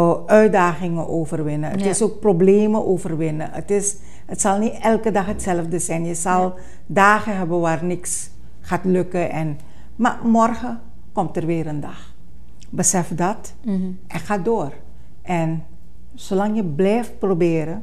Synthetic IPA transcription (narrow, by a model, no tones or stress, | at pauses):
œɥ̚daːχɪŋəʔoːvərʋɪnəətɪsoːk̚probleːməʔoːvərʋɪnəətɪs | ətsɑlˠnitɛlˠkədɑxɦətsɛləfdəsɛjnjəzɑlˠ | daːχəɦɛbəʋaːrnɪks | χaːtlɵkəʔɛn | ma̰mɔrχə | kɔmtərʋɪːɾəndɑx | bəsɛfdɑt | ʔɛχaːdoːr | ʔɛn | solɑŋjəblɛjft̚probɪːɾə